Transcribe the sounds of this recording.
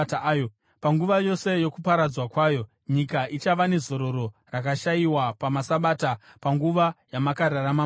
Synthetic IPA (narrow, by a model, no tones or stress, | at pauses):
o | paŋɡuʋajo̞se̞jo̞kupaɾad͡zwakwaːjo̞ | ɲikaʔit͡ʃaʋane̞zo̞ɾo̞ɾo̞rakaʃaiwapamasaɓaːtapaŋɡuʋajamakaɾarama